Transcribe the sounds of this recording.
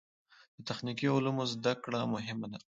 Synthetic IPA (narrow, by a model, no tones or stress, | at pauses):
d̪̥ət̪axnikiʊlumozd̪akɽamʊɦɪmad̪a